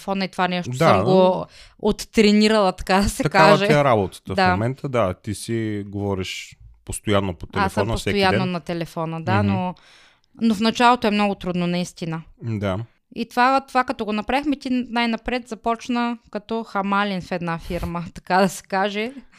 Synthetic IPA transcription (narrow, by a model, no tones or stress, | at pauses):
fɔnɐit̪ovanɛʃotoaəmɡoot̪ːɾɛnʲiɾɐlˠɐt̪ɐ̥kad̪ɐsɛt̪ɐkavʒɛɛɾabot̪ə̥t̪əfd̪ammɛnt̪əd̪at̪isiɡovɔɾiʃpost̪ojanːopo̥t̪ɛasəmnossɛojanːonɐt̪ɛlɛfɔnəd̪ano | nofnɐt͡ʃalˠot̪oɛmnɔɡʊt̪ɾud̪nonɐist̪inəd̪a | it̪ovat̪ovakɐt̪ɔɡonɐpɾavixmɛt̪inajnɐpɾɛt̪zɐpɔt͡ʃnəkɐt̪ɔxɐmalʲinfɛd̪nafiɾmət̪ɐ̥kad̪ɐsɛ̥kaʒɛ